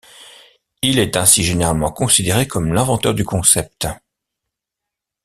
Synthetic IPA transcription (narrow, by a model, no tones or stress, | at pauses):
ilɛt̪ɛ̃siʒeneʁalmɑ̃kɔ̃sid̪eʁekɔmlɛ̃vɑ̃t̪œʁd̪ykɔ̃sɛp̚t̪